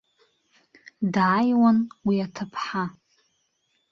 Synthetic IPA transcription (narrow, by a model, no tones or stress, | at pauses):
dʕajwanwiatʰapʰħa